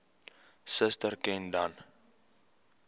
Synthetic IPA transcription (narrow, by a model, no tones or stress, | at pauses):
səstərkɛ̃ndan